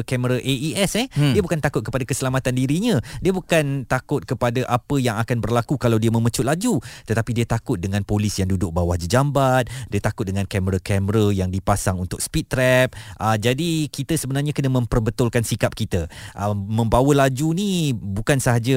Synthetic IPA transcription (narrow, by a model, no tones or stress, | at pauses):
kɛməɾaʔeiɛsɛhdiəbukant̪akʊt̪̚kəpadakəsəlamat̪andiɾiɲə̃diəbukant̪akʊt̪̚kəpadaʔapəjaŋakanbərlakukalawdiəmə̃mət͡ʃʊʔ̪lad͡ʒut̪ət̪apidiət̪akʊt̪̚dəŋãnpolɪsjaŋdudʊʔ̚bawahd͡ʒid͡ʒambat̪̚diət̪akʊt̪̚dəŋankɛməɾakɛməɾəjaŋdipasaŋunt̪ʊk̚spiɾɛp̚ʔəd͡ʒadikit̪əsəbənarɲakənəmə̃mpərbət̪ʊlkansikap̚kit̪əʔəmə̃mbawəlad͡ʒunibukansəɦad͡ʒa